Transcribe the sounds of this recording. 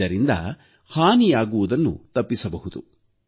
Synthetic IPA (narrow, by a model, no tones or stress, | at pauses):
ɐɾind̪ɐ̰ | haːnijaːɡuʋud̪ɐnːṵt̪ɐpːisɐbɐɦud̪u